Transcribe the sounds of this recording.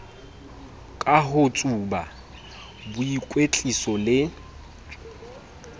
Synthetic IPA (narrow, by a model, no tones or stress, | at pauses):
kʼaɦʊt͡sʼuba | bʊikʼwet͡ɬʼisɔlɪ